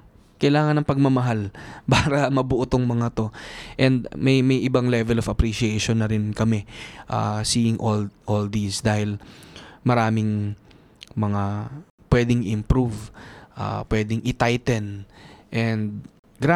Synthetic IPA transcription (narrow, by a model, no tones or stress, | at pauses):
kɐjlaːŋɐnɐŋpɐɡ̚mɐmɐɦalpaːɾɐmɐbʊʔʊt̪oŋmɐŋat̪o̞ʔɛnd̪mɐjmɐjʔɪbaŋlɛvɛlofɐpɾiʃɪɛjʃonːɐɾɪnkɐmɛʔa̰siːɪŋʔolʔold̪isd̪aːhɪl | mɐɾaːmɪŋ | mɐŋapwɛːd̪ɪŋɪmpɾuvʔa̰pwɛːd̪ɪŋʔɪt̪ajt̪ɛnʔɛnd̪̚ | ɡɾa